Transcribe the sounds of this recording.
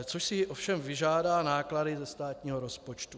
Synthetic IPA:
t͡soʃsɪʔofʃɛmvɪʒaːdaːnaːkladɪzɛst̪aːt̪ɲiːɦoɾo̞spot͡ʃt̪u

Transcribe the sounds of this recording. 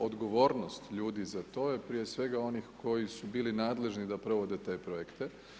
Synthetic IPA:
od̪ɡo̞ʋo̞ːɾno̞st̪ʎuːd̪izat̪o̞jepɾijesʋe̞ɡao̞nixko̞jisubiːlinaːd̪le̞ʒnid̪apɾo̞ʋod̪e̞t̪e̞ːpɾojekt̪e

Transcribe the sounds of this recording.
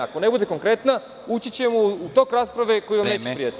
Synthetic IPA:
ako̞ne̞bud̪e̞ko̞ŋkɾe̞t̪na | ut͡ɕit͡ɕemuut̪o̞kɾaːspɾaʋe̞ko̞jiʋamneːt͡ɕepɾijat̪

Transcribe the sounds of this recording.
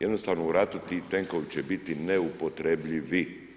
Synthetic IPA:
jed̪no̞st̪aːʋnouɾat̪ut̪it̪eŋko̞ʋit͡ɕebit̪ineupo̞t̪ɾebʎiʋi

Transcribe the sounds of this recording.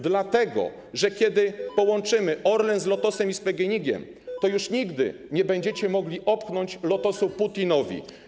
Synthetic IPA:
d̪lat̪ɛɡɔ̰ | ʐɛkʲɛd̪ɘpɔwɔnt͡ʂɘmɘʔɔɾlɛnzlɔt̪ɔsɛmispɛɡɛɲiɡʲɛ̰m | t̪ɔjuʂɲiɡd̪ɘ̰ | ɲɛbɛɲd͡ʑɛt͡ɕɛmɔɡlʲiʔɔpxnɔɲt͡ɕlɔt̪ɔsuput̪ʲinɔvʲḭ

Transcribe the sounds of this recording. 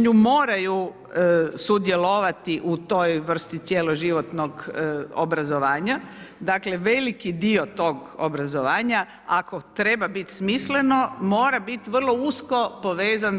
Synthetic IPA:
ɲumo̞ːɾaju | sud̪je̞loʋat̪iʔut̪ojʋr̩st̪it̪sjeloʒiʋot̪no̞ɡo̰bɾazoʋaːɲad̪akle̞ʋe̞likid̪iot̪o̞ɡo̰bɾazoʋaːɲa | ako̞t̪ɾebabit̪smisle̞no̞mo̞ːɾabit̪iʋr̩lˠo̞usko̞po̞ʋe̞ːzan

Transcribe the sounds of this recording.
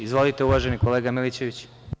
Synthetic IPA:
izʋo̞lit̪e̞uʋaʒe̞niko̞le̞ːɡamilit͡ɕe̞ʋit͡ɕ

